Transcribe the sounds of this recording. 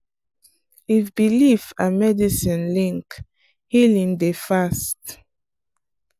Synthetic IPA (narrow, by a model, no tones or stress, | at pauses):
ifbilifamɛdisĩnlĩŋk | hilĩŋdefast